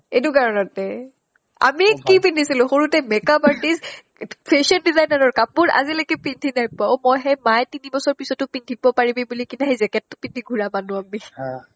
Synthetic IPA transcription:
edukaɹɔnɔtɛ | a̰mikipindʱisilʊ̃xoɹutɛmɛkapaɹtiz | pʰeʃɔndizajnaɹɔɹkapuɹa̰zilakɛpindʰʱinapaomɔjɦɛmajtinibɔsɔɹpisɔtʊpindʱibɔpaɹibɛbulikinaɦejzɛkɛtːʊpindʰʱiɡʱuɹamanʊami

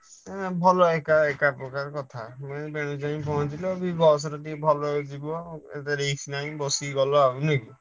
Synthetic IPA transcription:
bʱɔlɔekaekapɾɔkaɾɔkɔt̪ʰamɔebeɽ̃ud͡ʒajĩpɔɦɔ̃t͡ʃilɔbibɔs̬ɔɾɔʈibʱɔlɔd͡ʒibɔḛt̪aɾeksʰnaĩbɔsiɡɔlɔauneki

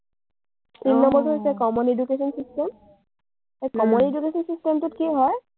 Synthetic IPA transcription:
tinːɔmbɔɹtɦojsɛkɔmɔnedukesɔnsistem | ekɔmɔnedukesɔnsistemtʊtkiɦɔj

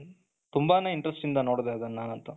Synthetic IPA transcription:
t̪umbaneiɳʈɾɐsʈind̪ɐnoːɽd̪eɐd̪ɐnːaːnɐnt̪ɐ

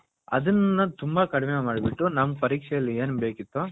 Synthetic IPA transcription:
ɐ̰d̪ɐnːɐt̪umbɐkɐɽimemaːɽibiʈːunɐmːɐpɐɾiːkʂɛjɐlːieːnbe̞ːkit̪ːo

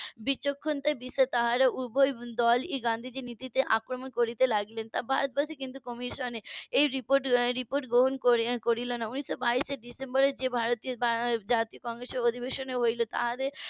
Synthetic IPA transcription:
bit͡ɕːokʰːont̪abiset̪aɦaɾaubʱojd̪ɔliɡand̪ʱid͡ʑenit̪it̪eʔakɾomonkoɾit̪elaɡlent̪abʱaɾot̪̚baʃikint̪ukɔmiʃoneejɾipoɾʈɾipoɾʈɡɾoɦonkokoɾilonaunisːobaiseɖisembɔɾed͡ʑebʱaɾot̪iobad͡ʑat̪iokɔŋɡɾeseɾod̪ʱibeʃoneɦojlot̪a̰ɦat̪e

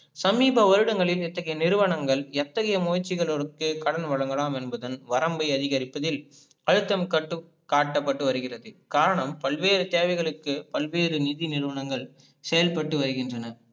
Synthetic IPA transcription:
sɐmiːbɐʋɐɾɯɽɐŋɡɐɭɪlɛt̪ːɐɣɐjɐnɪɾɯʋɐɳɐŋɡɐɭɛt̪ːɐɣɐjɐmoːjt͡ʃːɪɣɐɭɔɾɯkːɯkɐɽɐnʋɐɻɐŋɡɐɭaːmɛnbɐðɐnʋɐɾɐmbɐɪɐðɪɣɐɾɪpːɐðɪl | ɐɻɯt̪ːɐmkɐʈːɯ | kːaːʈːɐpːɐʈːɯʋɐɾɯɣɪrɐðɯkaːɾɐɳɐmpɐlʋeːɾɯt̪eːʋɐɪɣɐɭɯkːɯpɐlʋeːɾɯnɪðinɪɾɯʋɐɳɐŋɡɐɭ | sɛjɐlpɐʈːɯʋɐɾɯɣɪndrɐnɐ

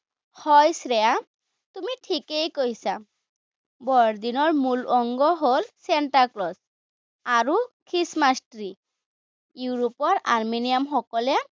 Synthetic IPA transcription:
hɔjsɹɛja | tumitʰikejkojsa | bɔɹd̪inɔɹmulɔŋɡɔɦolsentaklɔs | aɹukʰɹismastɹi | juɹupɔɹaɹminijamxɔkɔlɛ

